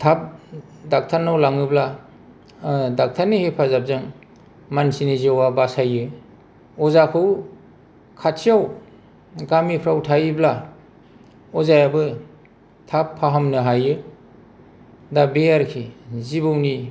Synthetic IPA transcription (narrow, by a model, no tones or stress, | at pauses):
tʰap̚ | dak̚tʰanːawlaŋɯbla | dak̚tʰaɾnːihepʰazap̚zɯŋ | mansiniziawabasajɯ | ɔzakʰɯw | kʰatsʰijaw | ɡamipʰɾawtʰajɯbla | ɔzajabɯ | tʰapʰːaɦamnɯɦajɯ | dabejaɾkʰizibɯwni